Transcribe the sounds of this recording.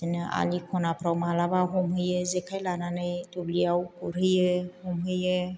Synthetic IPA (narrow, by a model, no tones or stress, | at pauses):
tenea̰likʰɔnapʰɾawmalabaɦɔmɦɯjɯzekʰajlananɯjtublijawkuɾɦɯjɯhɔmɦɯjɯ